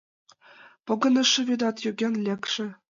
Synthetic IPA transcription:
pɤ̆ɡɤ̆nɤ̆ʂːɘ̆βʲyd̪ɑt̪jøɡʲenʲlʲĕkʂɘ̆

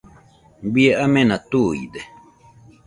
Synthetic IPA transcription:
bieamẽnãt̪ujid̪e

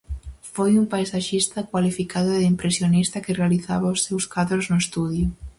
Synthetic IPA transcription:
fojumpajsaʃist̪ɐkwalifikaðʊðimpɾesjonist̪ɐkɪrealiθaβaosːewskaðɾoznʊest̪uðjʊ

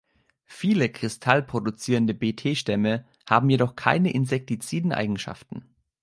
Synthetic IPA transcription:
fiːləkʁ̥ɪstʰalpʁ̥odut͡siːʁəndəbeːtʰeːʃtɛmə | haːbm̩jedɔχkʰa̰ɪnəʔɪnzɛk̚tit͡siːdn̩ʔa̰ɪɡŋ̩ʃa̰ftn̩

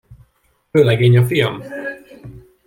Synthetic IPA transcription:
øːlɛɡeːɲɒfijɒm

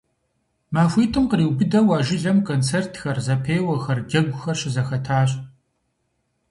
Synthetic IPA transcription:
maːfʷiːtʰʼɨmqəɾiːwbɨdɐwaːʒɪɮɐmkʰoːnt͡sʰeːrtʰxɐrzɐpʰeːwɐxɐrɡʲɐɡʷʊxɐrɕɪzɐxɐtʰaːɕʼ

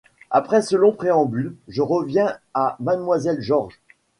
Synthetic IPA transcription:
apχɛsəlɔ̃pχeɑ̃bylʒəʁəvjɛ̃amad̪mwazɛlʒɔʁʒ

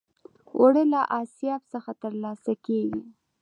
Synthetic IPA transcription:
ʔʊɽelaʔɑsijɑbsəxat̪əɾlɑsakeɡi

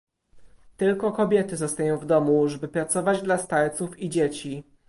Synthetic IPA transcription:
t̪ɘlkɔkɔbʲjɛt̪ɘzɔst̪ajɔ̃w̃vd̪ɔmuʐɛbɘpɾat̪sɔvad͡ʑd̪last̪alt̪sufid͡ʑet͡ɕi

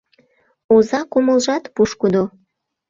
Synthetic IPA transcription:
ozɑkoməlʒɑt̪puʃkud̪o

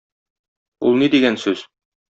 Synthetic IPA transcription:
ṵlˠnid̪iɡænsʉz̥

